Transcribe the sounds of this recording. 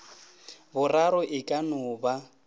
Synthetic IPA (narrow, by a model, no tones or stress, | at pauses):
bʊraɾɔʔɪkʼanʊːba